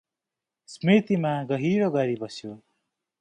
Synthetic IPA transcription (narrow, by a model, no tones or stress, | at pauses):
smit̪imaɡʌɦiɾʌɡʌɾibʌsjo